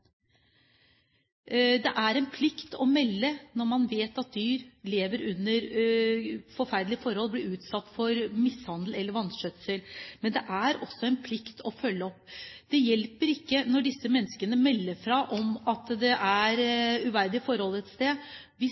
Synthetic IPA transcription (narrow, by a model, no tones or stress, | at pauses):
d̪ɛʔæɾɛnpʰlɪkt̪ɔmɛlːənɔɾmɑnʋeːt̪ɑt̪̚d̪yːɾleːʋəɾʉnːəɾ | fɔɾfæɾd̪lɪəfɔɾhɔlblɪɾʉːt̪sɑt̪ːfɔɾmɪshɑnd̪əl̩ɛlːəɾʋɑnʂœt̪səlmɛnd̪ɛʔæɾɔ̰sːɔɛnpʰlɪkt̪ʰɔfœlːəɔpːd̪̥ɛjɛlpəɾɪkːənɔɖɪsːəmɛnːəskənəmɛlːəfɾɑʔɔmɑt̪d̪ɛʔæɾʉʋæɾd̪ɪfɔɾhɔlɛt̪st̪eː | ʋɪ